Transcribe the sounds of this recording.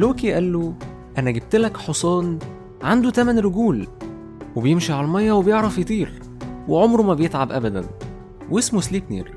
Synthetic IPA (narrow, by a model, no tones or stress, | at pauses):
loːkiʔælːo | ʔænæɡeb̚t̪elækħosˤɑːn | ʕand̪ut̪æmænɾoɡuːl | webejemʃiʕalælmɑjːɑwebejeʕɾˤɑfjet̪ˤiːɾ | weʕomɾomæbejet̪ʕabʔæbæd̪æn | wesmosliːknḭːɾ